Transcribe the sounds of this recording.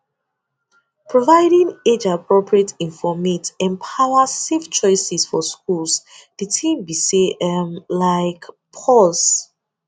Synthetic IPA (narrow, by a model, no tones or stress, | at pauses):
pɹovaɪdĩŋed͡ʒapʰɹɔpʰɹietĩnfɔmitɛ̃mpʰawaseft͡ʃɔɪsɛsfɔskʰuls | b̥itʰĩmbiseɛmlaɪk | pʰɔls